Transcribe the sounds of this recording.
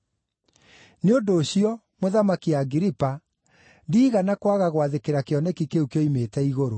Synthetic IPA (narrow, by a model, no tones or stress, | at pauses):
neondoːɕiɔ | moðamakiaɡiɾipa | ndiːɣanakwaɣaɣwaðekeɾakeɔnɛkikeukjɔimetɛiɣoɾo